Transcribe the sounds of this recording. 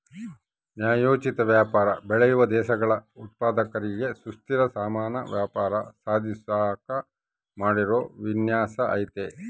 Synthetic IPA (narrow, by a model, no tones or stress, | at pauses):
njaːjoːt͡ʃit̪ɐʋjaːpaːɾɐbɛɭejuʋɐd̪ɛːʃɐɡɐɭɐut̪̚paːd̪ɐkɐɾiɡe̞sust̪iɾɐsaːmaːnɐ̰ʋjaːpaːɾɐ̰saːd̪ʱisaːkɐ | maːɽiɾoːʋinjaːsɐʔɐ̰jt̪e